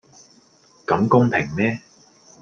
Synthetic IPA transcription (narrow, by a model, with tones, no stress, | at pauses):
kɐ˨˥mkʊ˥ŋpʰɪ˨˩ŋmɛː˥